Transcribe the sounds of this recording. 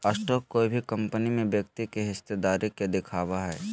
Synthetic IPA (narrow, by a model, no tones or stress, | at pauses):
ɐsʈɔːkːoibʱikɐ̃mpənimẽbjəkt̪ikeɦɪst̪ed̪aːɾiked̪ɪkʰaːʋaɦɛː